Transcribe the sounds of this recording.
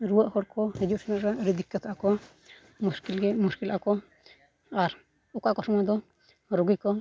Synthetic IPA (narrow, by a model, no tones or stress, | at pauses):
ɾuwaʔhɔɽkɔhɛd͡ʒusɛnaʔɾaɾid̪ikːat̪ʰakɔ | muskilɛmuskilʔakɔ | aɾ | ɔkaʔkɔsɔmad̪ɔ | ɾoɡikɔ